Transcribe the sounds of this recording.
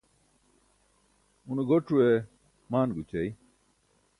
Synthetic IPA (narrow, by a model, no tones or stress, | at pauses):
unɡoʈ͡ʂʰue | maːnɡut͡ɕɐi